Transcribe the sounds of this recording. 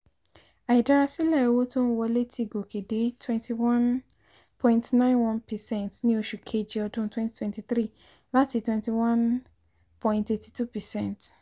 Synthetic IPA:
a˨i˨da˦˧ɾa˧si˦lɛ˦˨o˧wo˦to˦n̩˦wɔ˧le˦tʰi˦˨ɡo˨ke˨de˨˦twɛ̃˦ntʰi˨wã˦n | pʰɔ̃˧ĩ˦ntnã˦nwã˦npɛ˨sɛ̃˦ntnĩ˦o˧ʃu˨kʰe˧d͡ʒi˨ɔ˧dũ˦twɛ̃˦nti̥˦twɛ̃˦nti˦θɾi˦˨ | la˦ti˧twɛ̃˧nti˧wã˦n | pɔ̃˧ĩ˧nte˧ti̥˨tu˦pɛ˨sɛ̃˦˨nt

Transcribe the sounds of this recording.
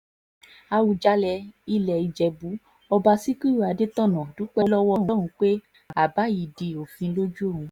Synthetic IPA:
a˧wu˧d͡ʒa˦lɛ˧i˦lɛ˨i˧d͡ʒɛ˧bu˨˦ | ɔ˧ba˧si˦ki˦ɾu˦˨a˨˧de˦tɔ̃˦˨nɔ̃˨dũ˨˦k͡pɛ˦lɔ˦wɔ˦ɾũ˦ɾ̃ũ˧˦k͡pe˦˨ | a˨ba˨˦ji˨di˨o˨fĩ˧lo˦d͡ʒu˦o˦˨ũ˨˧˦

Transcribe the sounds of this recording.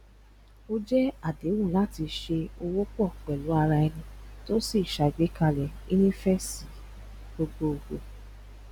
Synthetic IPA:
o˦d͡ʒɛ˦a˦˨de˨˦wũ˦˨la˦ti˧ʃe˧o˧wo˦k͡pɔ˦˨k͡pɛ˨lu˨˦a˧ɾa˧ɛ˧nĩ˧to˦si˦˨ʃa˧i˨ɡ͡be˨˦ka˧lɛ˨ | i˦nĩ˦fɛ˦si˨˦ | ɡ͡bo˧ɡ͡bo˧o˨ɡ͡bo˧˨

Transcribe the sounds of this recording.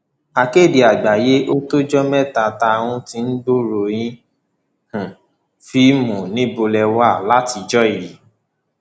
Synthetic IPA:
a˨ke˦˨di˨a˨ɡ͡ba˨je˦ʔo˦to˦d͡ʒɔ˦mɛ˦˨ta˨ta˧wũ˧ti˧n̩˦bo˦ɾo˨j̃ĩ˦ | h̩˨ | fi˦mũ˨nĩ˨˦bo˧lɛ˧wa˦˨la˦ti˧d͡ʒɔ˦i˨ji˨

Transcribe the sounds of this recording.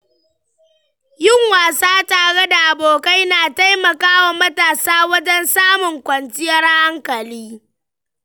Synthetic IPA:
jɪ˦˨ŋwaː˨saː˦taː˨ɽe˦da˨ʔa˨boː˨ka˦jnaː˨ta˦jmɐ˨kaː˦wa˨mɐ˦taː˨saː˦wɐ˦d͡ʒɛ˦nsaː˦mʊ˨ŋkʷɐ˨nt͡ʃɪ˦jɐ˦rha˦ŋkɐ˨liː˦

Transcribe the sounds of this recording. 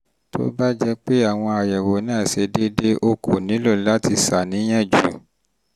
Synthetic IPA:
to̰˦ba˦d͡ʒɛ˦k͡pe˦a˦˨w̃ɔ̃˧a˨jɛ˨wo˨˦nã˦˨se˧de˦de˦ʔo˦kʰo˨nĩ˨˦lo˦˨˦la˦ti˧sa˨nĩ˨˦j̃ɛ̃˦˨d͡ʒu˨

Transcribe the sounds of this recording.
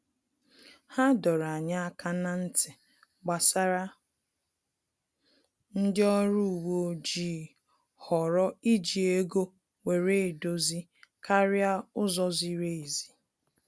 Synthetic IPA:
ha˦dɔ˨ɾa˨ɲa˦a˦kʰa˦na˦n̩˦tʰe˨ | ɡ͡ba˨sa˦ɾa˦ | n̩˦dɪ˦ɔ˦ɾu˦˨wo˨˦d͡ʒi˦ | hɔ˨ɾɔ˦i˦d͡ʒi˨e˦ɡo˦ | we˨ɾe˦˨do˨zi˦ | ka˦ɾja˦ʊ˦zɔ˦zi˦ɾe˦˨i˨zi˨

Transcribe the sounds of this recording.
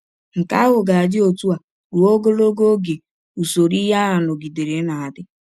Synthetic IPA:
ŋ̩˨ka˦ɦʊ˨ɡa˨a˨d͡ʒɪ˦o˨tu˦a˨ | ɾu˨o˦ɡo˦lo˦ɡo˦ɡe˨ | u˨so˨ɾi˦ɦa˦a˨nʊ˨ɡi˨de˨ɾe˨˦na˨a˨dɪ˦

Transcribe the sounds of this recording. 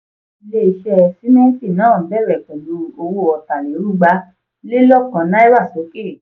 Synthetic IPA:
le˧˨i˨ʃɛ˧˨si˨˦nɛ̃˦ki˦˨nãː˨˦˨bɛ˦˨ɾɛ˨kɔ̃˨do˧o˧wo˧˨ɔ˨ta˨le˨o˨˦ɾu˦˨ɡ͡ba˧˦ | le˦lɔ˦˨kɔ̃˨˦nã˦i˦wa˦˨se˨˦ke˦˨

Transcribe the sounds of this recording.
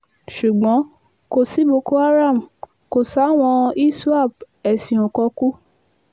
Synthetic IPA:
ʃu˨ɡ͡bɔ̃˨˦ | ko˨si˨˦bo˧ko˦a˦ɾa˦˨m̩˨ | ko˨sa˨˦w̃ɔ̃˧i˦su˦a˦˨b̚ | ɛ˨sĩ˨õ˨kɔ˧ku˦

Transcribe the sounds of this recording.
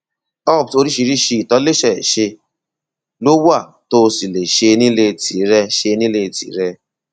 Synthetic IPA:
ɔ˦˨pto˧ɾi˦ʃi˨ɾi˦ʃi˦˨tɔ˦le˦ʃɛ˨ʃe˧ | lo˦wu˦a˦˨ | to˧si˨le˨ʃe˧ni˦le˧˨ti˨˦ɾɛ˧ʃe˧nĩ˦le˧˨tḭ˨˦ɾɛ˧

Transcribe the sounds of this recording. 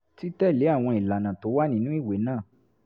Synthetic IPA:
ti˦tɛ˦˨le˨˦a˦˨w̃ɔ̃˧i˨la˨nã˨to˨˦wa˦nĩ˦nũ˦i˦˨we˨˦nãː˦˨

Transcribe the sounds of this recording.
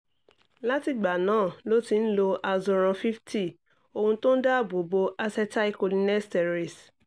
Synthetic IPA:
la˦ti˨ɡ͡ba˨nãː˦˨lo˦ti˧n̩˦lo˧ʔa˧zɔ˧ɾ̃ã˧fi˦ftʰi˦˨ | o˧hũ˧tõ˦n̩˦da˦˨bo˨bo˧ʔa˧sɛ˧ta˦i˦ko˧li˦nɛ˦stɛ˨ɾi˨s

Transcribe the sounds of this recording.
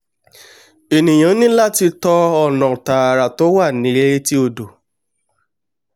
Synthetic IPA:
e˨nĩ˨j̃ã˨˦nĩ˦la˦ti˧tɔ˧ɔ˦˨nã˨ta˨ɾa˨to˨˦wa˦˨nĩ˨˦ɾe˦e˦ti˦o˧˨do˨

